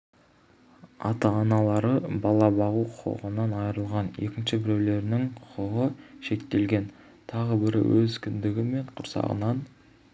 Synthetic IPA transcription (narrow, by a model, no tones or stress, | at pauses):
ɑ̰t̪ɑːnɑlˠɑɾəbɑlˠɑbɑʁuqʰʊ̥qə̰ʁənɑnɑjəɾəlˠʁɑnje̞̰kʲɪnʃɪbɪɾewle̞ɾɪnɪŋqʰʊ̥qəʁəʃe̞k̚t̪e̞lɡʲe̞n | t̪ʰɑʁəbɪɾɪ̰wɵzkʲʰʏnd̪ɪɡʲɪme̞ɴqʰʊɾsɑ̰ʁə̰nɑn